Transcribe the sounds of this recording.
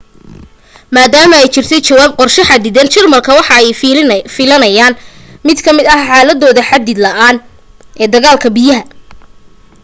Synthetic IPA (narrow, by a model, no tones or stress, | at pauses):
maːd̪aːmɐɛjt͡ʃɪrt̪ʰɛjt͡ʃɐwaːb̚qɔrʃɪħɑd̪ɪðɐnt͡ʃɪrmɐlkʰɐwɑħɑɛjfɪlɐnɐjaːnmɪd̪kʰɐmɪd̪ɐhħɑːlɐd̪ɔːðɐħɑd̪ɪd̪lɐʔaːn | ʔɛːd̪ɐɣaːlkʰɐbijɐɦɐ